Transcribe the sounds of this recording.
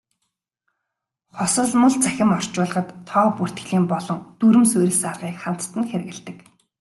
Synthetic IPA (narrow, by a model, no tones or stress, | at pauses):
χʊsɞ̆ɮmə̆ɮt͡sæxʲɪ̆mɔr̥t͡ɕʊːɮə̆χə̆t̪ʰːɔːpur̥t̪ɡɘ̆ɮiːmpɔɮɞ̆ŋt̪uɾɘ̆msɵjɾʲɘ̆saɮʁiːkχan̥t̪ːɘ̆nxeɾ̆ɣɘ̆ɮt̪ɘ̆k